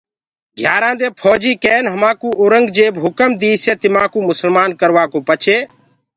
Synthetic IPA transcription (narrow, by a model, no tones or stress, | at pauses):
ɡʱjaːɾãːd̪eːpʰoːd͡ʒiːkeːnɦəmãːkuːoːɾəŋɡd͡ʒeːbɦʊkəmd̪iːseːt̪ɪmãːkuːmʊsəlmaːnkəɾʋaːkoːpət͡ʃʰeː